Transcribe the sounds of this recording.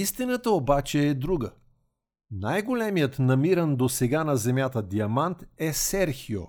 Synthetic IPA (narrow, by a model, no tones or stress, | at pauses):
ist̪inət̪əobat͡ʃɛːd̪ɾuɡə | najɡolɛmijət̪nɐmiɾənd̪osɛɡanɐzɛmʲjat̪əd̪iɐmant̪ɛsɛɾxio̰